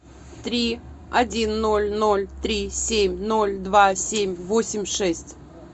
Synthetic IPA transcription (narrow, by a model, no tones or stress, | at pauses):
t̪ɾʲi | ɐdʲinːo̞lʲno̞lʲt̪ɾʲisʲemʲno̞lʲd̪vasʲemʲvosʲɪmʲʂɛsʲtʲ